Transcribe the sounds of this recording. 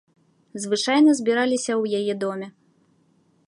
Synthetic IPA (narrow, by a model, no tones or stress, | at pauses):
zvɨt͡ʂajnɐzʲbʲiɾalʲisʲɐwjajɛd̪ɔmʲɛ